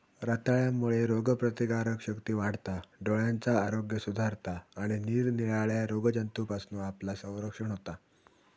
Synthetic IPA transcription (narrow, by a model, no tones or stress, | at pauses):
ɾat̪aɭjamːuɭeɾoɡəpɾət̪iɡaɾəkɕəkt̪iːʋaɽt̪aɖoɭjant͡saːɾoɡjəsud̪ʱaɾt̪aːɽ̃iniːɾniɭaɭjaɾoɡd͡ʑənt̪upasnuaplasə̃w̃ɾəkʂəɳɦot̪a